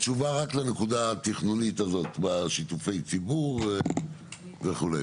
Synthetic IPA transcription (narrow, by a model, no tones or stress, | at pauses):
t͡ʃuvaʁaklenekud̪at̪iχnunitazo̞t̪baʃit̪ufe̞jt͡sibuʁ | veχulḛj